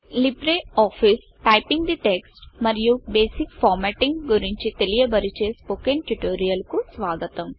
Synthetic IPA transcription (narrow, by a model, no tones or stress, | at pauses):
libɾeːaːpʰis | ʈɐjpiŋɡd̪iʈeksʈmɐɾijubeːsikpʰaːɾmeʈiŋɡɡuɾiɲt͡ʃit̪elijɐbɐɾit͡ʃeːspoːkenʈuʈoːɾijɐlkusʋaːɡɐt̪ɐm